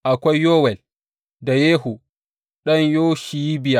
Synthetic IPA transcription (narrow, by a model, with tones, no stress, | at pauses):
ʔa˨kʷa˦jːoː˦wɛ˨l | da˨jeː˦ɦu˨ | ɗɐ˦ɲjoː˦ʃi˨ji˦bɪ˨ja˦˨